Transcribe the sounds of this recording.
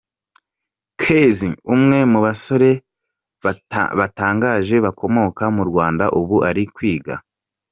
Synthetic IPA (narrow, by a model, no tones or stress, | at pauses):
kʰeziumŋe̞muβaso̞ɾe̞ | βataːŋɡaːʒe̞βako̞mo̞kamuɾɡwaːndaʔuβuʔaɾikwiːɡa̰